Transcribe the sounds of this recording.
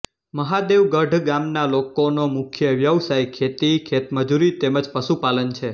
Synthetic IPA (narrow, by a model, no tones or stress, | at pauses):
məɦad̪eʋɡəɖʱɡamnalokonomʊkʰjəʋjəʋsajkʰet̪ikʰet̪məd͡ʒuɾit̪eməd͡ʒpəʃupalənt͡ʃʰe